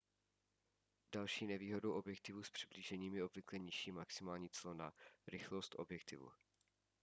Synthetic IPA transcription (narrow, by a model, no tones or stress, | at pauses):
d̥alʃiːnɛviːɦo̞dowʔo̞bjɛk̚t̪ɪvuspr̥ɪbliːʒɛɲiːmjɛo̞bvɪklɛɲɪʃiːmaksɪmaːlɲiːt͡slona̰ɾɪxlo̞st̪ʔo̞̰bjɛk̚t̪ɪ̰vṵ